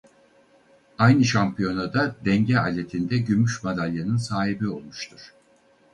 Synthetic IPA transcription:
ajnɯʃampʰijo̞nad̪ad̪ɛɲɟɛa̰lʲːet̪ʰind̪ɛɟymyʃmad̪alʲjanɯnsaːɦibio̞lˠmuʃt̪ʰuɾ̥

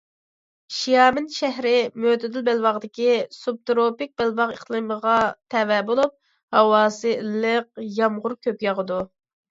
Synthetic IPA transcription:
ʃijɑːmɪnʃɛɦɾɪmøt̪ɪd̪ylbælwɑʁd̪ɪkʲisub̚t̪ɾopɪk̚ʲbælvɑʁəχlˠɨməʁɑt̪ʰɛvɛbolˠup̚ | hɑwɑːsɨlːəq̚jɑmʁʊɾkʲʰøpjɑʁəd̪u

